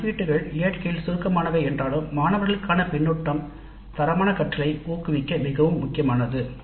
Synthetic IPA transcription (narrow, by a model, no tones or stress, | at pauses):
ʋiːʈːɯɣɐɭeːɐʈkɐjɪlsʊɾkɐmaːnɐʋɐɛndraːlɯmːaːnɐʋɐɾɣɐɭɯkːaːnɐpɪɳːɯʈːɐm | t̪ɐɾɐmaːnɐkɐʈːɐɭɐɪuːkɯʋɪkːɐmɪɣɐʋɯmːʊkːɪjɐmaːnɐðɯ